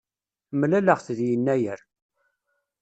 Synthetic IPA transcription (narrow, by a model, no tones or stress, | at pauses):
mlæləʁθðjənːæjəɾ